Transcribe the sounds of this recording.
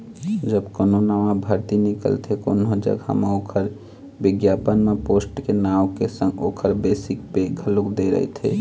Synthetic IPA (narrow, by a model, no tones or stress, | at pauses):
d͡ʒəbkoːnonamãbʱəɾt̪inɪkə̰lt̪ʰeto̰nɦõd͡ʒə̰ɡɦə̰mãoːkʰəɾ | bɪɡjaːpənmẽpoːsʈkenaːwkesə̃ŋɡo̰ːkʰəɾbeːsɪkpekʰəlokd̪eɾə̰ɦḛt̪ʰḛː